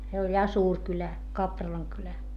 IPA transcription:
se olʲ jɑ suːr kylæ kɑprɑlɑŋ kylæ

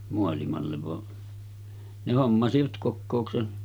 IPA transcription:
moɑlimɑlːeʋ ʋɑ ne homːɑsiʋɑt kokːoˑuksen

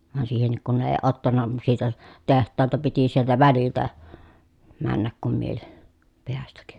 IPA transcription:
ʋɑn siːhenːik kun ne eː otːɑnːɑ siːt oˑes tehtˑɑːltɑ piti sieltæ ʋæliltæ mænːæk kum miel peæstæk

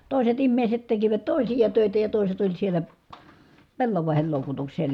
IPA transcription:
toˑiset imːeˑiset tekiʋæt toˑisijɑ tøˑitæ jɑ toˑiset olʲ sielæ pelːɑʋɑˑehel loˑukutuksesˑɑ̆ jɑ

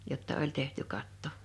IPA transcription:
jotːɑ olʲ tehty kɑtːo

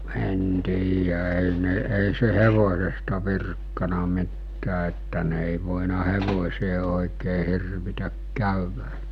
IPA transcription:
en tiːjæ eˑi ne eˑi se heʋosestɑ ʋirkːɑnɑ mitːæː etːæ ne eˑi ʋoˑinɑ heʋosʲeː oˑekeː hirʋitæk kæˑyʋæ

